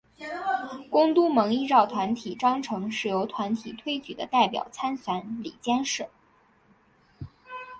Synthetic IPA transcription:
kʊ˥ŋt̪u˥mɤ˧˥ŋi˥ʈ͡ʂɑ˥˩ʊt̪ʰwa˧˥nt̪ʰi˨˩ʈ͡ʂɑ˥ŋʈ͡ʂʰɤ˧˥ŋʂɻ̩˨˩jo˧˥ʊt̪ʰwa˧˥nt̪ʰi˨˩t̪ʰwe˥ɪt͡ɕy̰˨˩d̪ə̰˦t̪a˥˩ɪpjɑ̰˨˩ʊt͡sʰa˥nfa˧˥nlḭ˨˩t͡ɕjɛ˥nʂɻ̩˥˩˦

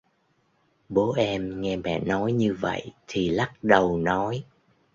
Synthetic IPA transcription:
ɓo˨˦ʔɛ˧mŋɛ˧mɛ̰˧˩nɔ˨˦jɲɨ˧və̰˧˨jt̪ʰi˨˩la˦˥t̚ɗə˨˩wnɔ˨˦j

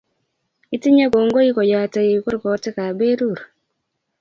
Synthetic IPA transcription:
i˦ti˦ɲa˦ko˨ŋɡo˦i˦ko˨ja˨te˨i˨˦ko˦ɾkɔ˨˦tɪ˦ka˨be˦ɾu˦˨ɾ

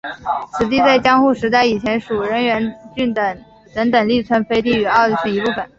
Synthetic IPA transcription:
t͡sʰɹ̩˨˩t̪i˥˧t͡sa˥˩ɪt͡ɕjɑ˥ŋxu˥˩ʂɻ̩˧˥t̪a˥˩ɪi˨˩t͡ɕʰjɛ˧˥nʂu˨˩ɻə˧˥nɥɛ˧˥nt͡ɕy˥˩nə˧˩ | t̪ə˧˥ŋt̪ə˨˩ŋli˥˩t͡sʰwə˥nfe˥ɪt̪i˥˩y˨˩ɑ˥˧˥t͡ɕʰy˥ni˧˥pu˥˩fə˨˩˦n

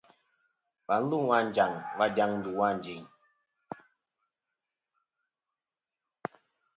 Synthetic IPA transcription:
ba˨˦n̩˦lu˦˨wa˦˨n˨d͡ʒa˨ŋba˦da˦ŋn̩˦du˨wa˦˨n˨d͡ʒi˨ɲ

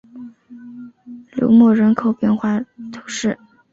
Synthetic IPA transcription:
ljo̰˧˥ʊmɔ˥˩ɻə˧˥nkʰo˨˩ʊpjɛ˥˧nxwa˥˩t̪ʰʊ˧˥ŋʂɻ̩˥˩

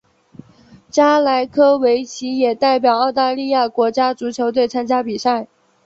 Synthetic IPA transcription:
t͡ɕja˥la˧˥ɪkʰɤ˥we˧˥ɪt͡ɕʰi˧˥jɛ˨˩t̪a˥˩ɪp̬jɑ˨˩ʊɑ˥˧ʊt̪a˥˧li˥˧ja˥˩kwɔ˧˥t͡ɕja˥t͡su˧˥t͡ɕʰjo˧˥ʊt̪̬we˥˩ɪt͡sʰa˥nt͡ɕja˥pi˨˩sa˥˩ɪ

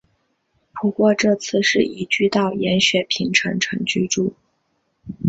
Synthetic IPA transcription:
pʰu˧˥kwɔ˥˧ʈ͡ʂɤ˥˧t͡sʰɹ̩˥˧ʂɻ̩˥˩i˨˩t͡ɕy˥˧t̪ɑ˥˩ʊjɛ˧˥nɕɥɛ˨˩pʰi˧˥ŋʈ͡ʂʰɤ˧˥ŋʈ͡ʂʰɤ˧˥ŋt͡ɕy˥ʈ͡ʂu˥˩

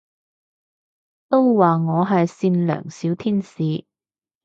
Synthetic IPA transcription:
t̪o˥wwaː˨ŋɔː˨˧ɦɐ˨jsiː˧nlœ̰ː˨˩ŋsiː˨˥wt̪ʰiː˥nsiː˨˧˦

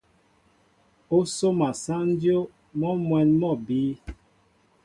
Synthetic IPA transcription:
o˦so˦ma˨sa˦n˦djo˦ | mɔ˦mwɛ˨nmɔ˦˨biː˨˦

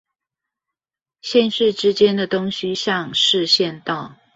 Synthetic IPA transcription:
ɕjɛ˥˧nʂɻ̩˥˩ʈ͡ʂɻ̩˥t͡ɕjɛ˥nd̪ə˨t̪ʊ˥ŋɕi˧ɕjɑ˥˧ŋʂɻ̩˥˧ɕjɛ˥˧nt̪ɑ˥˩ʊ

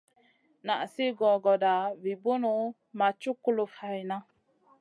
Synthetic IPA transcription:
na˨ʔsi˦ɡɔ˨ɡɔ˨da˨vi˨bo˦nu˨˦ | ma˨t͡ʃu˦ku˦˨lu˨fa˨jna˦

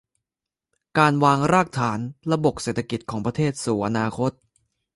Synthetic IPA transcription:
kaː˧nwaː˧ŋɾaː˥˩k̚t̪ʰaː˩˦nɾa˧bo˨˩k̚seː˨˩t̪ʰːa˧ki˨˩t̪̚kʰɔː˩˦ŋpɾa˧t̪ʰeː˥˩t̪̚suː˨˩ʔa˧naː˧kʰo˦˥t̪̚

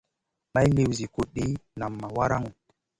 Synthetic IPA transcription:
ma˦jli˨wzi˨ko˨ɗi˨˦na˨mːa˨wa˦ɾa˦ŋu˨

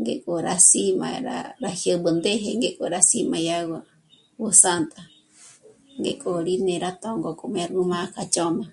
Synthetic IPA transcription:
ŋɡḛ˨kʼo˧ɾasi˦ma̰ɾa̰ɾahjə˧bɨ˨nd̪e˦ɦe˧ŋɡe˧kʼo˨ɾasima˧jawa˨ | wusant̪a˨ | ŋɡekʼo˨ɾi˦neɾat̪oŋɡo˨kʼo˧me˧ɾuma˦kat͡ʃo˦ma˨

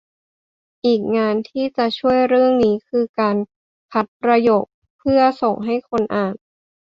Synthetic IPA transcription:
ʔiː˨˩k̚ŋaː˧nt̪ʰiː˥˩t͡ɕa˨˩t͡ɕʰu˥˩əjɾɯ˥˩əŋniː˦˥kʰɯː˧kaː˧n | kʰa˦˥t̪̚pɾa˧joː˨˩k̚ | pʰːɯ˥˩ɐso˨˩ŋɦa˥˩jkʰo˧nʔaː˨˩n

